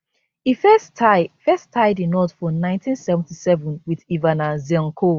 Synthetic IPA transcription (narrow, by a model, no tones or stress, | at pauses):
ifɛstafɛstʰaɪdĩnɔtfɔnãɪ̃ntʰĩnsɛṽn̩tisɛvə̃nwiðivanãziɔ̃ŋkʰo